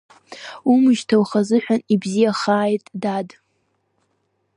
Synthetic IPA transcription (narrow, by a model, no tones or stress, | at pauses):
umɨʒtʰawχazɨħʷᶣanibzijaχaːjtʼdad